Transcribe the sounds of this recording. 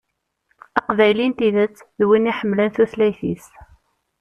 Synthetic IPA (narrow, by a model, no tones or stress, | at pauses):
ɑqvæjlint̪iðət͡sːðwiniħəmːlənθuθlæjθḭs